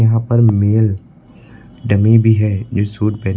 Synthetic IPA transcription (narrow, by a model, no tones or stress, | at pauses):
ɐɦãpɐɾmeːl | ɖɐmibʱiɦɛd͡ʒoːsuːʈ̪̚pɛː